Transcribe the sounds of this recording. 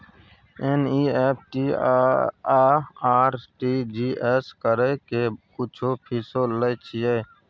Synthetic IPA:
eniːep̚ʰʈi | aːɾʈiːd͡ʒieskəɾekekʊt͡ʃʰopʰisoləjt͡ʃʰijeː

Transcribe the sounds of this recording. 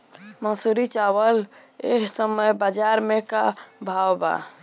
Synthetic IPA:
mə̃suɾit͡ʃawəl | eɦsəməjbəd͡ʒaɾmekabʱawba̰

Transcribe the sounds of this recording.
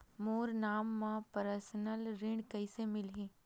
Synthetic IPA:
moːɾnaːmːãpəɾəɾsənəlɾɪ̃ɳɖkɐisemɪlɦĩː

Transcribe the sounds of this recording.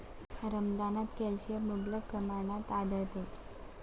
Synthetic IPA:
ɾəmd̪anat̪kɛlɕijəmublək̚pɾəmaɳ̃at̪ad̪əɭt̪e

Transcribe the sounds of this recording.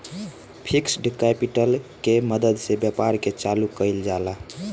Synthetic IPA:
pʰiksɖkɛpiʈəlkeməd̪əd̪sebjəpaɾket͡ʃalukəɪld͡ʒala

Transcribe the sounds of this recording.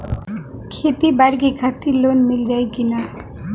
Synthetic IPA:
kʰet̪ibaɾɡikʰat̪ilonmild͡ʒajkina

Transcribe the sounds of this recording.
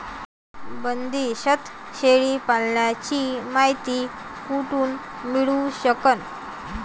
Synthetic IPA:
bənd̪iɕət̪ | ɕeɭipalɳjat͡ɕimaɦit̪iː | kuʈuːn | miɭuɕəkən

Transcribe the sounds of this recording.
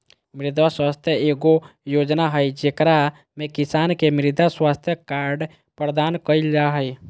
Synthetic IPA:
mɾid̪waswast̪ʰjəeɡojod͡ʒnaɦəjd͡ʒekɾa | mekisankemɾid̪aswast̪ʰjəkaɾɖ | pɾəd̪ankəild͡ʒaɦəj

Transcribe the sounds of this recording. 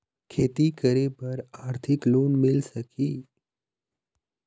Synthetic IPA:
kʰeːt̪ikəɾebəɾaːɾt̪ʰɪkloːnmɪlsɐkʰiː

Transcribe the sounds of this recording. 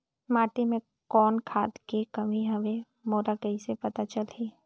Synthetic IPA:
maːʈimẽ | kɔːnkʰaːd̪kekɐmiɦɐʋẽ | moːɾakɐisepɐt̪at͡ʃəlɦiː

